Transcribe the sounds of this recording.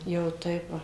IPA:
jɛʊ ˈtɐɪp ˈʋɐ

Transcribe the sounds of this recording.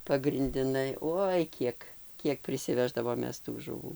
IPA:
pɐɡrʲɪnʲdʲɪˈnɐɪ ˈoːɪ ˈkʲiɛk ˈkʲiɛk pʲrʲɪsʲɪˈʋʲæːʒdɐʋoːm ˈmʲɛs tuː ʒʊˈʋuː

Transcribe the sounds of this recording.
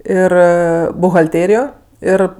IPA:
ˈɪr bʊɣɐlʲˈtʲeːrʲɪjoː ˈɪr

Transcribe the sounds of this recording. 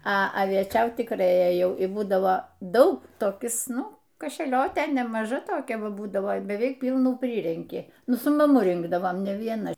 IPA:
ɐ ɐʋʲiɛˈt͡ʃʲɛʊt tʲɪkˈrɐɪ eːˈjɛʊ ɪ ˈbuːdɐʋoː ˈdɐʊk toːˈkʲɪs ˈnʊ kɐʃʲɛˈlʲoːtʲeː nʲɛmɐˈʒɐ toːˈkʲɛ ˈʋɐ ˈbuːdɐʋoː bʲɛˈʋʲɛɪk ˈpʲiːlˠnuː ˈpʲrʲiːrʲɛŋʲkʲɪ ˈnʊ sʊ mɐˈmʊ ˈrʲɪŋɡdɐʋoːm nʲɛ ʋʲiɛˈnɐ

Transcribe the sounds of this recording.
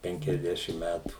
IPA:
ˌpʲɛŋʲkʲɛzʲˈdʲæːʃʲɪm ˈmʲætuː

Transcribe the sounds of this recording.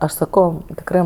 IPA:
ˈɐʃ sɐˈkɐʊ tʲɪkˈrɜ

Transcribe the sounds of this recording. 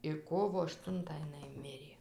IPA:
ɪr ˈkoːʋoː ɐʃˈtʊntɑː ɪˈnɐɪ ˈmʲɪrʲeː

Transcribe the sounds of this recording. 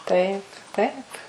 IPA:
ˈtɐɪp ˈtɐɪp

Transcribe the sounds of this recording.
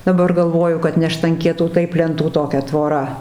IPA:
dɐˈbɐr ɡɐlˠˈʋoːjʊ kɐt nʲɛ ʃtɐŋʲˈkʲiɛtuː ˈtɐɪp lʲɛnˈtuː toːˈkʲɛ tʋoːˈrɐ

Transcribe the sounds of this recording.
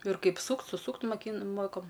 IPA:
ɪr ˈkɐɪp ˈsuːkt sʊˈsuːkt moːˈkʲiːn ˈmoːkoː

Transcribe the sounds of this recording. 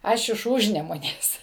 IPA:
ˈɐʃ ɪʃ ˈuːʒʲnʲɛmʊnʲeːs

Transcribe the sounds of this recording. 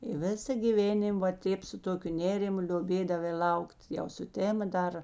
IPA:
ɪ ˈʋʲɪsɐ ɡʲiːˈʋʲeːnʲɪm ʋɐ ˈtʲeːp sʊ ˈtoːkʲʊ ˈnʲeːrʲɪmʊ lʲoːˈbʲeːdɐʋɐɪ ˈlˠɐʊkt jɛʊ sʊˈtʲæːmɐ ˈdɐr

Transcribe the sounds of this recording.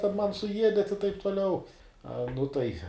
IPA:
ˈtʲɛn ˈmɐn sʊˈjiɛdʲɛt ɪ tɐɪp tʊˈlʲɛʊ ˈɐ nʊ ˈtɐɪ

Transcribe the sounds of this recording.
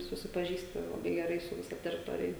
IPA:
sʊsʲɪpɐˈʒʲiːsʲtʲɪ lˠɐˈbɐɪ ɡʲɛˈrɐɪ sʊ ʋʲɪˈsɐ tʲɛrʲɪˈtoːrʲɪjɛ

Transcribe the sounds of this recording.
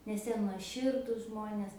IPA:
nʲɛs ˈjiɛ nuɔˈʃʲɪrdʊs ˈʒmoːnʲeːs

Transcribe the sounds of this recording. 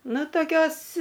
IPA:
ˈnʊ toːˈkʲoːs

